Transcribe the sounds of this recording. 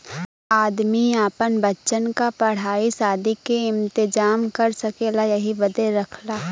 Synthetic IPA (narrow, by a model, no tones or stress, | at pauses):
aːd̪miaːpənbɐtːʃənkapɐɽ̤aːisaːd̪ikeɪ̃mt̪ɪd͡ʒaːmkɐɾsɐkeːlajɐɦibɐd̪eɾɐkʰlaː